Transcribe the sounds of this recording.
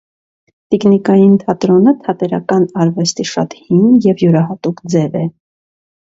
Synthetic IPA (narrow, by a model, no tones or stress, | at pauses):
t̪iknikɑjint̪ʰɑt̪ɾɔnət̪ʰɑt̪ɛɾɑ̰kɑnɑɾvɛst̪iʃɑ̰t̪hiŋjɛvjuɾɑɦɑt̪ukd͡zɛvɛ